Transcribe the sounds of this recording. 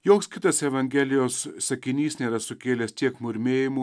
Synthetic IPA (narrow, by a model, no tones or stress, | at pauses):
joːkskʲɪt̪ɐsɛʋɐŋʲɡʲɛlʲɪjoːsːɐkʲɪnʲiːsnʲeːɾɐsʊkʲeːlʲɛst̪ʲiɛkmʊɾʲmʲeːjɪmu